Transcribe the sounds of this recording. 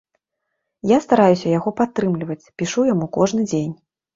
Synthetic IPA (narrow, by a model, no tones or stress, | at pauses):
jast̪aɾajusʲɐjaɣɔpat̪ːɾɨmlʲivɐt͡sʲpʲiʂujamukɔʐnɨd͡zʲenʲ